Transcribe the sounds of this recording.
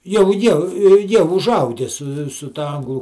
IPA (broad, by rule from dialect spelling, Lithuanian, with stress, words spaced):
jɛʊ ˈjiɛ ˈjiɛ ʊʒˈɐʊɡʲɛ sʊ sʊ ˈtɐ ˈɐŋɡlˠʊ